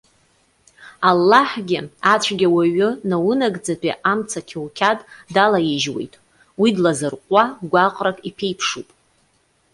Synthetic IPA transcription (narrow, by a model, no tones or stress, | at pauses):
alːaħɡʲɪat͡ɕʷʰɡʲawaɥʊnawʊnaɡd͡zapʰʼiʔamt͡sʰakʲʰiwkʲʰatʼdalajɪʒwḛjtʼ | widlazɨrqʷʼaɡʷaqʼrakʼipʰejpʰʂupʼ